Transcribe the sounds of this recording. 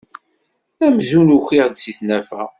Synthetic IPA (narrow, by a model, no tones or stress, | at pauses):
æmzunuçiʁd̪siθnæfæ̰